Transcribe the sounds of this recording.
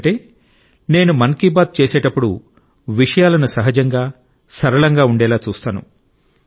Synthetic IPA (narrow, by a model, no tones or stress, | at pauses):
ʈeː | ne̞ːnumɐŋkibaːd̪̚t͡ʃeːsɛːʈɐpːuɽṵ | ʋiʂɐjaːlɐnusɐɦɐd͡ʒɐŋɡaː | sɐɾɐɭɐŋɡaːuɳɖɛːlaːt͡ʃuːst̪aːnṵ